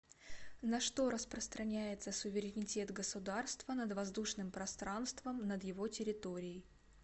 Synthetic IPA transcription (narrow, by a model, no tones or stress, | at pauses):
nɐʂt̪o̞ɾəspɾəst̪ɾʔɐnʲæjɪt̪səsʊvʲɪɾʲɪnʲɪtʲe̞t̪ɡəsʊd̪arst̪vənəd̪vɐzd̪uʂnɨmpɾɐst̪ɾanst̪vəmnəd̪jɪvo̞tʲɪɾʲɪt̪o̞ɾʲɪjəj